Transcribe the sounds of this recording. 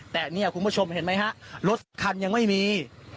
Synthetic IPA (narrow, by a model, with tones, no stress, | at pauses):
t̪ɛː˨˩ni˥˩ɐkʰu˧npʰt͡ɕʰo˧mhe˨˩˦nma˦˥jɦa˦˥ʔɾo˦˥t̪̚sa˨˦kʰa˧nja˧ŋma˥˩jmiː˧